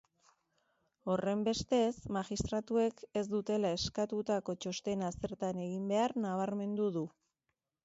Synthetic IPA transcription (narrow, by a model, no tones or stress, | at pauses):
o̞re̞mbe̞st̪e̞smaxist̪ɾat̪ue̞ke̞zd̪ut̪e̞lae̞skat̪ut̪ako̞t͡ʃo̞st̪e̞nase̞ɾt̪ane̞ɣ̞imbe̞aɾnaβ̞aɾme̞nd̪uðu